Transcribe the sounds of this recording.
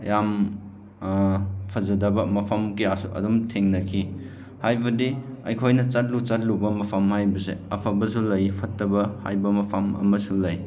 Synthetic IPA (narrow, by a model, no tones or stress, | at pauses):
jam | pʰɐzɐdɐbɐmɐpʰɐmkiasuʔɐ̰dumtʰeŋnɐkʰi | hajbɐdiɐjkʰojnɐt͡ʃat̚lut͡ʃat̚lubɐmɐpʰamhajbɐsḛɐpʰabɐsulɐjpʰɐtːɐbɐha̰jbɐmɐpʰamɐ̰mɐsulɐj